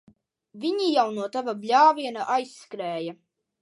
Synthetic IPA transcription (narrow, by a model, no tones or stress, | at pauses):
vʲiɲijawnuɔt̪avablʲaːviɛnaʔajsːkɾɛːja